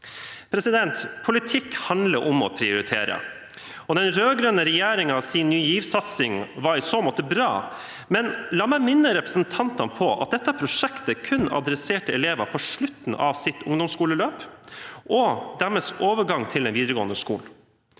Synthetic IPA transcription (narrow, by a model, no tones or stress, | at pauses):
pʰɾɛsɪd̪ɛnt̪pʰʊlɪt̪ʰɪkːhɑnd̪ləʔɔmɔ̰pʰɾɪʊɾɪt̪ʰḛːɾə̰ | ɔd̪ɛnɾøːɡɾøːnəɾɛjeːɾɪŋɑʋsɪnnːyːjiːʋsɑt̪sɪŋʋɑɾɪsoːmɔːt̪əbɾɑ̰ː | mɛnlɑːmæɪmɪnːəɾɛpɾəsənt̪ʰɑnt̪ɑnpʰɔʔɑ̰t̪̚d̪ɛt̪ːəpʰɾʊʂɛkt̪əkʰʉnɑ̰d̪ɾɛseːʈəɛleːʋɑpʰɔʂɭʉt̪n̩ʔɑ̰ʋsɪt̪ʊŋd̪ʊmskuːləløːpʔɔd̪æɾmɛsoːʋəɡɑŋt̪ʰɪlɛnʋiːd̪əɾəɡoːnəskṵːl